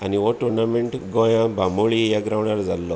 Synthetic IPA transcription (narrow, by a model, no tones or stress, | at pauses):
aniʋoʈuɾnameɳʈɡɔ̃jãbʱamoɭijaɡɾawɳaɾd͡zalːɔ